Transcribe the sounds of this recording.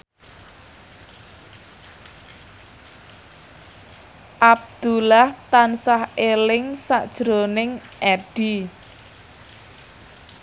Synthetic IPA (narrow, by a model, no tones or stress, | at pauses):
ʔab̚d̪̥ulaht̪ansahelɪŋsa̰ʔd̥ʒ̥ɾonɪŋʔɛɖ̥i